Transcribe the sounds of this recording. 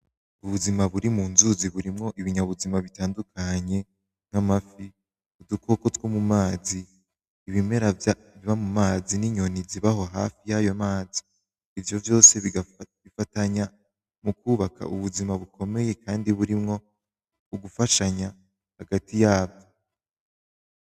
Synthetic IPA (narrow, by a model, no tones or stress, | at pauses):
uβuzimaβuɾimuːnzuziβuɾimŋo̞ʔiβiɲaβuzimaβitaːndukaɲe̞ | ŋ̥amafi | udukʰo̞kotɡwomumaːziː | βime̞ɾav | βiβamumaːziniɲo̞niziβaɦo̞ɦa̰fijajo̞maːzi̥ː | vjo̞vjo̞ːse̞βiɡaβifataɲa | mukuːβakʰa̰ʔuβuzimaβukʰo̞me̞je̞kʰaːndiβuɾimŋo̞ | uɡufaʃaɲa | haɡatʰijaːbjo